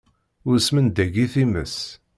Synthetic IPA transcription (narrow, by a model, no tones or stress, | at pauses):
ʊɾsmənd̪æɡiθiməs